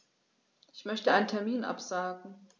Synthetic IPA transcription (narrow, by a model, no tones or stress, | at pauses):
ʔɪçmœçtəʔaɪnəntʰɛɐmiːnʔa̰pz̥aːɡŋ̩